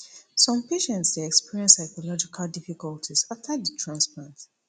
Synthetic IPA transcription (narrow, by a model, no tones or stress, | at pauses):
sɔ̃mpeʃɛ̃ntsdeɛkspiɹiɛ̃nsaɪkɔlɔd͡ʒikʰalˠdifikɔltʰizaftʰəðətʰɹãnsplãnt